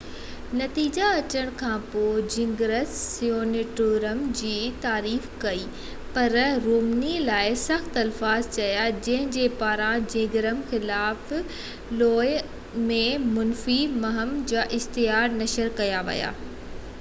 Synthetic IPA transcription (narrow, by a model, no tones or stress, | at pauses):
nɐt̪iːd͡ʑaɐt͡ɕəɽ̃kʰãːpoːɪd͡ʑɪ̃ŋɡɾəssijoːnɪʈoːɾəmd͡ʑiːt̪aːɾiːfkɐiː | pɐɾɾoːmnilaːɪsɐxt̪ɐlfaːzt͡ɕɐjad͡ʑɐ̃ɦɪ̃d͡ʑeːpaːɾãd͡ʑɪ̃ːŋɡɾəmxɪlaːf | loːj | mẽmʊnfimɐɦəmd͡ʑaːʔɪxt̪ɪjaːɾnɐʃəɾkɐjaʋɐ̰ja̰ː